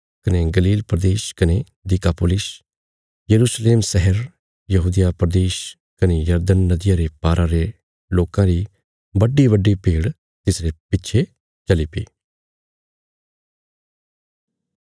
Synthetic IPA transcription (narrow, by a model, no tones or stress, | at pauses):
kɐneɡəliːlpɾəd̪eːʃkɐne | d̪ɪkaːpoːlɪs | jəɾuːsleːmsɛɦɛɾ | jɐɦuːd̪ijapɾəd̪eːʃ | kɐnejəɾd̪ənːəd̪ɪjãːɾepaːɾʔãɾe | loːkãɾi | bəɖːibəɖːipeːɽ | t̪ɪsɾepɪt͡ʃʰe | t͡ʃəlipḭː